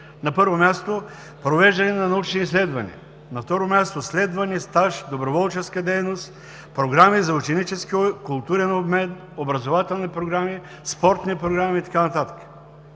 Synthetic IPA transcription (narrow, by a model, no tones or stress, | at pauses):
nɐpɤɾvomʲjast̪o | pɾovɛʒd̪ɐnɛnɐnɐut͡ʃniislɛd̪vɐnḭə | nɐft̪ɔɾomʲjast̪oslɛd̪vɐnist̪aʃd̪obɾovɔlˠt͡ʃɛskəd̪ɛjnost̪ | pɾoɡɾamizɐut͡ʃɛnit͡ʃɛsk̟ikʊlˠt̪uɾɛnobmɛn | obɾɐzovat̪ɛlˠnipɾoɡɾami | spɔɾt̪nipɾoɡɾamit̪ɐ̥kanɐt̪at̪ə̥kə̥